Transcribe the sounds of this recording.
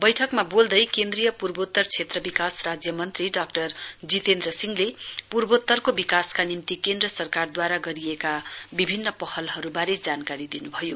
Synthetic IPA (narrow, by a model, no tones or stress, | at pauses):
bʌjʈʰʌkmabold̪ʌjkend̪rijʌpurbot̪ːʌrt͡sʰet̪rʌbikasrad͡zjʌmʌnt̪riɖakʈʌrd͡zit̪end̪rʌsiŋlepurbot̪ːʌrkobikaskanimt̪ikend̪rʌsʌrkard̪waɾaɡʌɾiekabibʱinːʌpʌhʌlhʌɾubaɾed͡zankaɾid̪inubʱʌjo